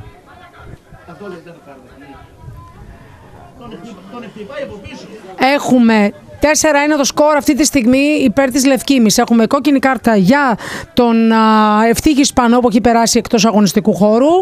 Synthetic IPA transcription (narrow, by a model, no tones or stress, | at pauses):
e̞xume̞t̪e̞se̞ɾɐine̞t̪o̞sko̞ɾɐft̪it̪ist̪iɣmiːpe̞ɾt̪izle̞fcimise̞xumeko̞cinikɐɾt̪ɐʝɐt̪o̞ne̞ft̪içispɐno̞pueçipe̞ɾɐsiekt̪o̞sɐɣo̞nist̪ikuxo̞ɾu